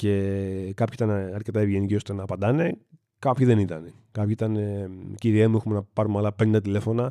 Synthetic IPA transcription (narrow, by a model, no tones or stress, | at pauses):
ce̞kɐpçit̪ɐnɐɾce̞t̪ɐevʝe̞nicio̞st̪e̞nɐːpɐnd̪ɐne̞ | kɐpçiðe̞nit̪ɐne | kɐpçiit̪ɐneciɾiemuexumenɐpɐɾumɐlɐpe̞nd̪et̪ile̞fo̞nɐ